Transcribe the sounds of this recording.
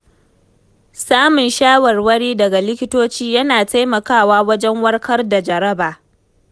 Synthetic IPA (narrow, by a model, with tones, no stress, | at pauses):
saː˦mʊ˨nʃaː˦wɐ˨rwɐ˦ɽiː˦dɐ˨ɡa˨lɪ˦kʲɪ˦toː˦t͡ʃiː˦jɐ˦naː˨ta˦jmɐ˨kaː˦˨waː˦wɐ˦d͡ʒɛ˦ŋwɐ˦rkɐ˦rda˨d͡ʒɐ˨ɾɐ˦baː˨